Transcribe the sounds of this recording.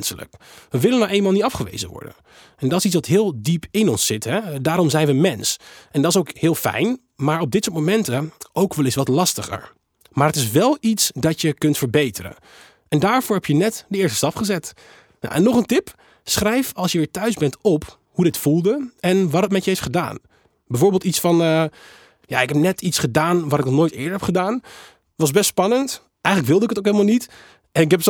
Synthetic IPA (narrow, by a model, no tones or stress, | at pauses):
nsələ̰kʋəʋɪlənawʔejnmalˠnitɑfχəʋḛjzəʋɔ̰ɹdə̰n | ɛndɑtɪsitsʋɑtɦɪːlˠdipʰɪnɔnsːɪtɦɛdaːɾɔmzɛjnʋəmɛnsɛndɑtɪsowkhɪːlˠfɛ̰jn | maːɹɔb̚dɪtsʊːɹtmomɛntəʔowkʋɛlˠɪsʋɑtlɑstəχə̰ɹ | maːɹɦətɪs̬ʋɛlˠitsdɑtjəkɵntfəɹbejtərə̰n | ʔɛndaːɹvʊːɹɦɛpjənɛtdəɪːɹstə̥stɑpχəzɛt | na̰ʔɛnːɔχəntɪp | sχrɛjfɑlˠsjəʋɪːɹtœɥzbɛntɔp | hudɪtfulˠdəɛnʋɑtɦətmɛtjəeftχəda̰ːn | bɛjvoːɹbeːlˠtitsfɑnə | ja̰ɪkɦɛp̚nɛtitsχədaːnʋatɪknɔχnoːjtɪ̰ːɹdəɹɦɛpχədaːn | ʋɑzbɛstspɑnənt | ʔɛjχənləkʋɪlˠdəɪkətowkɦelˠmalˠnit | ɛnɪkɦɛp